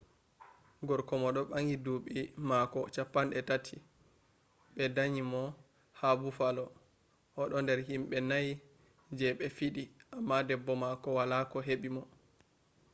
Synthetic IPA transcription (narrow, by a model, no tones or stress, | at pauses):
ɡɔɾkɔmɔɗɔɓaŋɡiduɓimakɔt͡ʃapːanɗɛtatʰi | ɓɛdaɲimɔ | habufalɔ | ʔɔɗɔndɛɾɦimɓɛnaj | d͡ʒɛɓɛfiɗiʔamːadɛbːɔmakɔwalakɔɦeɓimɔ